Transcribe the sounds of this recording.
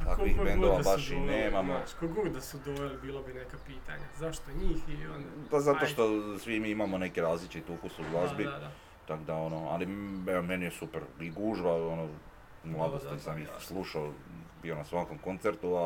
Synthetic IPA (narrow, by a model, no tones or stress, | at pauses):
t̪akʋixbbend̪oʋabaʃineːmamokoɡuɡd̪asud̪olbiːlˠobinekapiːt̪a̰ɲazaʃt̪oɲiːxionpazat̪o̞ʃt̪o̞sʋimiimamone̞kiɾaːzlit͡ʃit̪ukusuɡlˠazbi | t̪akod̪ao̞noa̰liɛomenijesupeɾiɡuːʒʋao̞no | mlˠad̪ost̪isamislˠuːʃaobionasʋaːko̞mko̞nt̪seɾt̪ua